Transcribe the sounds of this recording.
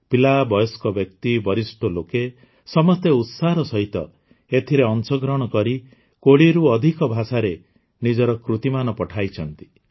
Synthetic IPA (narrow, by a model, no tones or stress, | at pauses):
pilabɔjɔskɔbjɔkt̪ibɔɾisʈɔloke | sɔmɔst̪eut̪saɾɔsɔɦit̪ɔ̰ | et̪ʰiɾeɔnsɔɡɾɔɽ̃ɔkɔɾi | koɽiɾuɔd̪ʱikɔbʱasaɾe | nid͡ʒɔɾɔkɾut̪imanɔpɔʈʰajt͡ʃʰɔnt̪i̥